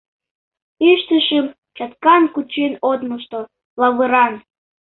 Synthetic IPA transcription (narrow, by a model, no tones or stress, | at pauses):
iʃt̪ɨʃəm | t͡ɕɑt̪kɑnkut͡ɕenod̪məʃt̪o | lɑβɨɾɑn